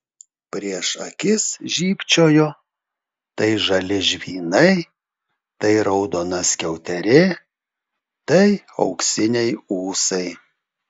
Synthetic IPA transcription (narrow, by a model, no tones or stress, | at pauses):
pʲɾʲiɛʃɐkʲɪsʒʲiːpʲt͡ʃʲoːjoː | t̪ɐɪʒɐlʲɪʒʲʋʲiːnɐɪ | t̪ɐɪɾɐʊd̪oːnɐsʲkʲɛʊt̪ʲɛɾʲɪ | t̪ɐɪ | ɐ̰ʊksʲɪnʲɛɪuːsɐɪ